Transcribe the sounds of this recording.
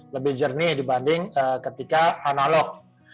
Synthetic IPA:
ləbɪhd͡ʒərnɪdibandɪŋəkət̪ikaːnalɔk̚

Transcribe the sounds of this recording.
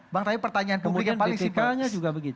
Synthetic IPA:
baŋt̪aipərt̪aɲaanpəumikanpalɪŋt̪iiaɲad͡ʒuɡabəɡit̪

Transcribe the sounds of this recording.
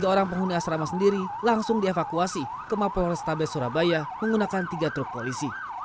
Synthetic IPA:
ɡaoɾaŋp̬əŋɦuniasɾamasəndiɾilaŋsʊŋdiefakuasi | kəmaplɔɾɛst̪abɛsuɾa̰bajaməŋɡunakant̪iɡat̪ɾʊk̚polisi

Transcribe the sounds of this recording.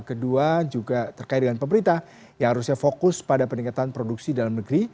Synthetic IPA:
kəduad͡ʒuɡat̪ərkaɪt̪̚dəŋanpəmbəɾint̪ah | jaŋhaɾusɲafokʊspadapəniŋkat̪anpɾoduksidalamnəɡɾi

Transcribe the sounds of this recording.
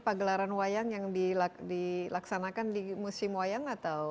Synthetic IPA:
paɡəlaɾanwajaŋjaŋdiladilaksanakandimusɪmwajaŋat̪aw

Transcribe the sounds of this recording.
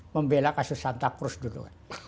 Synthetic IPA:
məmbelakasusant̪akrusdulṵɛ̰

